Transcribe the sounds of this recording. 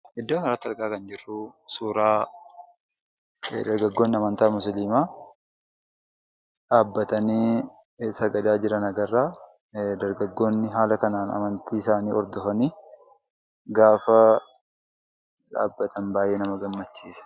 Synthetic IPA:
hɛd̪ːoːnɐɾaːt̪ːɐɾkʼaːkɐnd͡ʒɪrːusuːɾaː | d̪ɐɾɡɐɡːo̞ːnːɪɐmɐnt̪aːmʊsliːmaː | ᶑaːbːɐt̪ɐniː | sɐɡɐd̪aːd͡ʒɪɾɐnɐɡɐrːaː | d̪ɐɾɡɐɡːo̞ːnːɪɦaːlɐkɐnaːnɐ̰mɐnt̪iːɪsaːniːɔɾd̪ɔfɐniː | ɡaːfɐ | ᶑa̰ːbːɐt̪ʰɐnbaːjʔeːnɐmɐɡɐmːɐt͡ʃːiːsɐ̥

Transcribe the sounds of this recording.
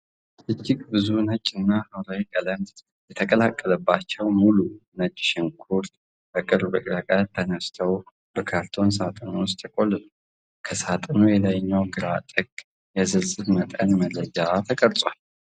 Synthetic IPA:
ʔɨd͡ʒːɪkʼbɨzunət͡ʃʼːɨnːahəwɾawikʼələmt̪ | jɛt̪ʰəkʼəlakʼːələbːat͡ʃːɛwmulunət͡ʃʼːʃɪnkʰuɾt̪ | bəkʼɨɾbəkʼɾakʼat̪ʰːənəst̪ʰəw | bəkʰaɾt̪ʰo̞ns̬at̪ʼənowʊst̪ʰːəkʼo̞lːəl | kʰəsat̪ʼɨnojɛlajɲːawɡɨɾat̪ʼɨɡ | jɛzɨlsʼɨβmət̪ʼənmələd͡ʒat̪ʰəkʼəɾt͡sʼwal

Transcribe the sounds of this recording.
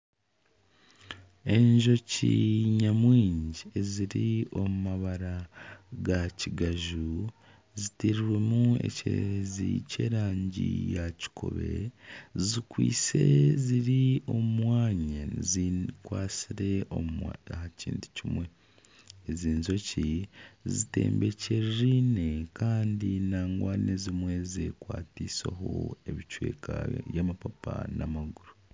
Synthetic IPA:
e̞ɲʒo̞ciɲamwiːɲɟieziɾio̞mumaβaɾaɡaciɡaʒu | zitiɾiɾwe̞mue̞̰cḛeɾezḭce̞ːɾaːɲɟḭjaci̥kʰo̞̰βe̞̰zikwḭːt͡se̞̰ziɾio̞umwaːɲezikwaːsiɾe̞oahacḭːntu̥cimwe̞ | eziːnzo̞cizite̞̰ːmbe̞ce̞ɾɾine̞kaːndinaːŋɡwaːnezimwe̞zekwaːtiːsaɦoe̞βit͡ʃwe̞̰ːkʰajamapapanamaɡuɾu

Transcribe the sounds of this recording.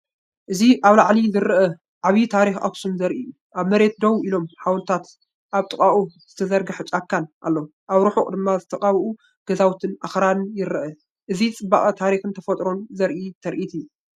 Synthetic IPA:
ʔɨziʔaβlaʕlizɨɾɨʔɐ | ʔaβit̪ʰaɾixa̰ksumzɐɾʔiju | ʔaβmɐɾe̞t̪̚d̪ɐwilo̞mħawnt̪ʰat̪ | ʔaβt̪ʼɨkʼaʔʼuz̥ɨt̪ʰɐzɐɾɡɨħɨt͡ʃʼakʰːanʔa̰lːo | ʔaβɾuħukʼd̪ɨmːazɨt̪ʰɐqʼaβʔu | ɡ̥ɐzawt̪ʰɨnʔaxɾanjɪɾʔɐ | ʔɨzit͡sʼɨbːaχʼɐt̪ʰaɾixɨnt̪ʰɐfɐt̪ʼɾo̞nzɐɾʔit̪ʰɐɾʔit̪ʰijːu

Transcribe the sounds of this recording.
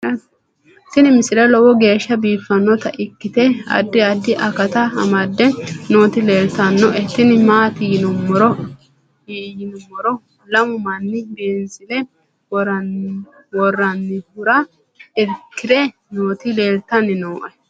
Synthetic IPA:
t̪ːɪnɪmɪsɪlɛlɔwɔɡe̞ːʃːɐbiːfːɐnːɔt̪ɐʔɪkːɪt̪ɛɐ̰d̪ːɪɐd̪ːɪʔɐkɐt̪ɐɐ̰mɐd̪ːɛnoːt̪ɪle̞ːlt̪ɐnːɔʔɛt̪ːɪnɪmaːt̪ɪjɪnʊmɔɾɔ | jɪnʊmːɔɾɔ | lɐmʊmɐnːɪbeːnsɪlɛ | wɔɾ | wɔrːɐnːɪhʊɾɐ | ɛɾkːɪɾɛ | noːt̪ɪle̞ːlt̪ːɐnːɪnoːʔɐ

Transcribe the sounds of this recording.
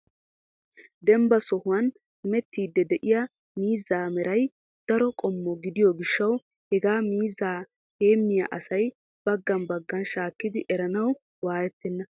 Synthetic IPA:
d̪ɛmbɐsɔhʊwɐn | hɪmɛt̪ːiːd̪ːɛd̪ɛʔɪjɐ | miːzːaːmɛɾɐj | d̪̥ɐɾɔkʼɔmːɔɡɪd̪ɪjɔɡɪʃːɐw | hɛɡaːmiːzaː | he̞ːmːɪjɐ̰ʔɐsɐj | b̥ɐɡːɐnbɐɡːɐnʃaːkːɪd̪ɪʔɛɾɐnɐw | waːjɛt̪ːɛnːɐ

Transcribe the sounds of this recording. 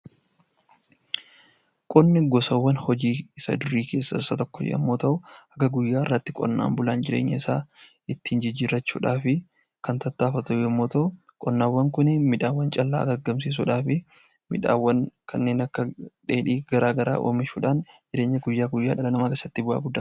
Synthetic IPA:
kʼɔnːɪɡɔsɐwːɐnhɔd͡ʒiːsɐ̰d̪ʊɾiːke̞ːsːɐsːɐt̪ɔkːɔd͡ʒɛ̰ʔɐ̰mːoːt̪ɐʔʊɐɡɐɡʊjːaːɪrːɐt̪ːɪkʼɔ̰nːa̰ːmbʊlaːnd͡ʒɪɾḛːɲːɐ̰ɪsaː | ɪt̪ːiːnd͡ʒɪd͡ʒɪɾɐt͡ʃːuːᶑaːfɪ | kɐnt̪ɐt̪ːaːfɐt̪ʊɐmːo̞ːt̪ɐʔʊ | kʼɔnːaːwːɐŋkʊnɪmɪᶑaːwːɐnt͡ʃʼɐlːa̰ːɡɐɡːɐms̬iːs̬uᶑaːfɪ | mɪᶑa̰ːwːɐnkʰɐnːe̞ːnɐkːɐᶑeːᶑiːɡɐɾaːɡɐɾa̰ːʔo̰ːmɪʃuːᶑaːnd͡ʒɪɾe̞ːɲːɐɡʊjːaːɡʊjːaːᶑɐlɐnɐmaːkeːsːɐt̪ːɪbʊʔa̰ːɡʊd̪ːɐ

